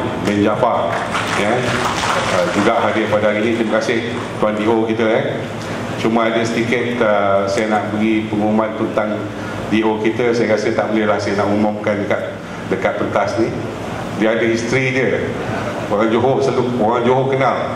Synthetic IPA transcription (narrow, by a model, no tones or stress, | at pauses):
bɛnd͡ʒafaja | əd͡ʒuɡaʔɦadɪrpadaɦaɾinĩt̪ɾimakasɪh | t̪uandiʔokit̪əkan | t͡ʃuməadəsət̪ikɪt̪əsajanaʔbəɡipəŋuumanp̪ənt̪aŋ | diʔokit̪əsajakasət̪aʔbəlɪhlahsajanaʔumɔmkandəkat̪̚ | dəkat̪̚pənt̪asnĩ | diəadəɦist̪ɾidiə | oɣaŋd͡ʒoɦosaluoɣaŋd͡ʒoɦokənal